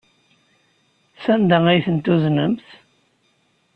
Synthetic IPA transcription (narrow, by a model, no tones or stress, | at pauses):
sænd̪əæjθənt̪uznəmθ